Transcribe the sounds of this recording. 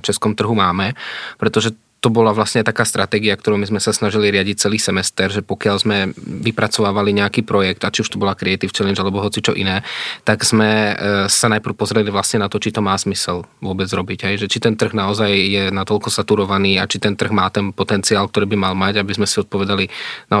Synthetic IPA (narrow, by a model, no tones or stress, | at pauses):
ft͡ʃɛskɔmt̪r̩ɦumaːmɛpɾɛt̪ɔʒɛ | t̪ɔbɔlaʋlasɲɛat̪akaːst̪ɾʔat̪ɛːɡiakt̪ɔɾɔʊmizmɛsasnaʒiliɾɪaɟic̚t͡sɛliːsɛmɛst̪ɛɾʒɛpɔkɪalzmɛʋipɾat͡sɔʋaːʋaliɲɛakiːpɾɔjɛkt̪at͡ʃiuʃt̪ɔbɔlakɾɛɛjt̪ift͡ʃɛlɛɲd͡ʒalɛbɔɦɔt͡sit͡ʃɔʔḭnɛːt̪aɡz̥mɛsanajpr̩ʊpɔzɾɛliʋlasɲɛnat̪ɔt͡ʃit̪ɔmaːz̥misɛlʋʊɔbɛd͡zɾɔbiɟɦɛjʒɛt͡ʃit̪ɛnt̪r̩ɣnaɔzajjɛnat̪ɔlkɔsat̪uɾɔʋaniːat͡ʃit̪ɛnt̪r̩ɣmaːt̪ɛnpɔt̪ɛnt͡siaːlk̚t̪ɔɾiːbimalmaɟabizmɛsiɔt̪̚pɔʋɛd̪alina